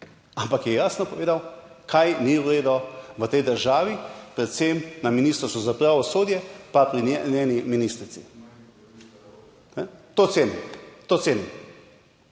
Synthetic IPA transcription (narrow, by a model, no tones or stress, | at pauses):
ampakjɛjaːsnɔpɔʋeːd̪aw | kʰajniuɾeːd̪ɔʋət̪ɛjd̪əɾʒaːʋipɾɛt̪semnaminiːst̪əɾsuzapɾaʋɔsoːd̪jɛpapɾinɛnʲjɛːniminist̪ɾit̪sḭ | nɛt̪osenɛt̪ot̪seːnɛ